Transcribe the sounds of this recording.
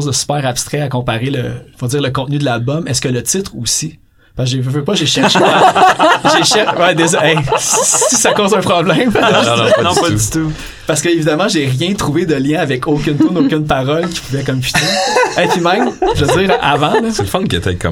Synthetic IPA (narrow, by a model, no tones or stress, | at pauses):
zd̪əsy̥pɛːʁapst̪χɛakɔ̃paʁeləfod͡zziːʁləkɔ̃t̪̚nyd̪əlalbɔmɛskələt̪ɪt̪χusi | paʒevəvøpɔʒeʃɛʁʃ | ʒeʃɛwɛd̪eʒɛsisakoːzɛ̃pχɔblɛ̃ɪ̃m | ñpt̪u | paʁsəkəevid̪amɑ̃ʒeʁjɛ̃t̪χuved̪əljɛ̃avɛkʰokʲʏnt̪unokʲʏnpaʁɔlkʲi̥puvɛkɔmpi̥t̪ɛɛ̃pimɛ̃ɪmʒəd͡ziːʁa̰vɑ̃lɔselfɔnkḛt̪ɛ̰kʰɔ̰